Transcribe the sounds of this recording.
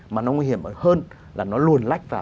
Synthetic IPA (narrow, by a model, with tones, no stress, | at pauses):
maː˨˩nɔ˨˦ŋwi˧hi˧˩əmʔəː˧˩həː˧n | lʔaː˨˩nɔ˨˦lu˨˩ənla˦˥jk̚vaː˨˩